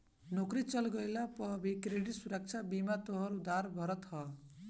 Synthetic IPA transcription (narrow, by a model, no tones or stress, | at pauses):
nokrit͡sʌlɡʌjlapʌbʱikɾeɽit̪suɾʌk̚t͡sʰabimat̪oɦʌɾud̪arbʱʌɾʌt̪ɦʌ